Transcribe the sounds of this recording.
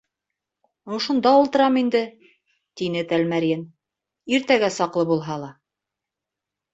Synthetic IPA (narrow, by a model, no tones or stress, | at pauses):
ŏʃŭnd̪ɑulˠt̪ɤ̆ɾɑmind̪ɘ | t̪inɘt̪ælmæɾjen | iɾt̪æɡæsɑqlˠɤbulˠɦɑlˠɑ